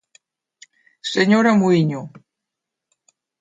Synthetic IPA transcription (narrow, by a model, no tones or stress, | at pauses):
seɲoɾamujɲo